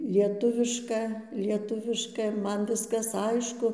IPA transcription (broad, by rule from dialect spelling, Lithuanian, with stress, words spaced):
lʲiɛˈtʊʋʲɪʃkɐ lʲiɛˈtʊʋʲɪʃkɐ ˈmɐn ˈʋʲɪskɐs ˈɐɪʃkʊ